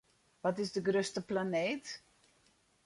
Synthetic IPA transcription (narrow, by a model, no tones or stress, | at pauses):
ʋɔtɪsdəɡrøstəplaneːt